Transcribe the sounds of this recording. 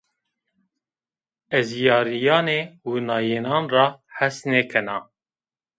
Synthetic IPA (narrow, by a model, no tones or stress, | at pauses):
ɛzjɑːɾijɑːneːwunɑːjeːnɑːnrɑːħæsneːkʰɛnɑ